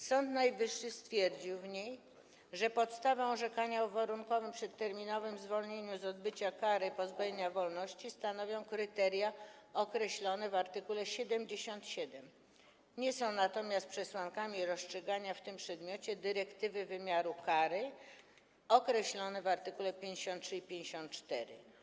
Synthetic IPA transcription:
sɔnt̪najvɘʂːɘst̪fʲjɛɾd͡ʑiwvɲej | ʐɛpɔt̪st̪avɛ̃ɔʐɛkaɲaɔvaɾuŋkɔvɘmpʂɛt̪ːɛɾmʲinɔvɘmzvɔlɲeɲũzɔd̪̚bɘt͡ɕakaɾɘpɔzbajeɲavɔlnɔɕt͡ɕist̪anɔvʲjɔ̃w̃kɾɘt̪ɛɾʲjaɔkɾɛɕlɔnɛvaɾt̪ɘkulɛɕɛd̪ɛmd͡ʑeɕɔnt̪ɕɛd̪ɛm | ɲɛsɔ̃w̃nat̪ɔmʲjast̪pʂɛswaŋkamʲiɾɔstʂɛɡaɲaft̪ɘmpʂɛd̪mʲjɔt͡ɕɛd̪ɘɾɛkt̪ɘvɘvɘmʲjaɾukaɾɘ | ɔkɾɛɕlɔnɛvaɾt̪ɘkulɛpʲjeɲd͡ʑeɕɔ̃nt̪ʂɘipʲjẽɲd͡ʑeɕɔ̃nt̪̚t͡ʂt̪ɛɾɘ̰

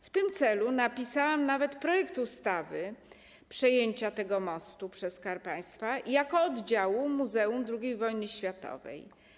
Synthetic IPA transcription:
ft̪ɘmt̪sɛlunapʲisawamnavɛt̪pɾɔjɛkt̪ust̪avɘ | pʂɛjeɲt͡ɕat̪ɛɡɔmɔst̪upʂɛskaɾpaj̃st̪fajakɔɔd̪d͡ʑawumːuzɛumd̪ɾuɡʲejvɔjnɘɕfʲjat̪ɔ̰vɛ̰j

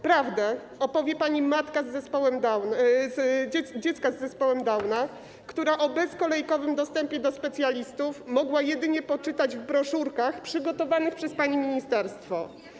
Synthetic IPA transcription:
pɾavd̪ɛ | ɔpɔvʲjɛpaɲimat̪kazːɛspɔwɛma | ɛd͡ʑɛt̪skazːɛspɔwɛmd̪awna | kt̪uɾaʔɔbɛskɔlɛjkɔvɘmd̪ɔst̪ɛmpʲjɛd̪ɔspɛt̪sʲjalʲist̪ufmɔɡwajɛd̪ɘɲɛpɔt͡ʂɘt̪ad͡ʑvbɾɔʂuɾkaxpʂɘɡɔt̪ɔvanɘxpʂɛspaɲimʲiɲist̪ɛɾst̪fɔ

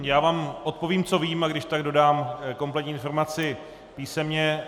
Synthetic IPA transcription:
jaːvaːmʔo̞t̪̚po̞viːmt͡so̞viːmaɡdɪʃt̪aɡdo̞daːmko̞mplɛt̪ɲiːɪnfo̞ɾmat͡sɪ | piːsɛmɲɛ

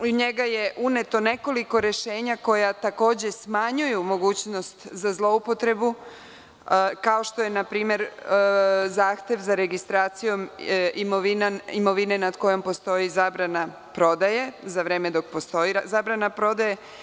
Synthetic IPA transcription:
uɲe̞ɡaje̞ʔune̞t̪o̞ne̞ko̞liko̞ɾe̞ʃe̞ːɲako̞jat̪ako̞ːd͡ʑe̞smaɲujumo̞ɡuːt͡ɕno̞st̪zazlˠo̞upo̞t̪ɾe̞bu | kaoʃt̪o̞jenapɾiːme̞ɾ | zaːxt̪ʲje̞ʋzaɾe̞ɡist̪ɾaːt̪sijo̞mimoʋinaimo̞ʋine̞nad̪ko̞jo̞mpo̞st̪o̞jizaːbɾana | pɾo̞d̪ajezaʋɾe̞ːme̞d̪o̞k̚post̪oizaːbɾanapɾo̞d̪aje̞

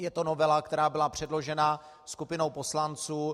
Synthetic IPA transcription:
jɛt̪o̞novɛlakt̪ɛɾaːbɪlapr̝̥ɛdlo̞ʒɛna | skupɪno̞wpo̞slant͡suː

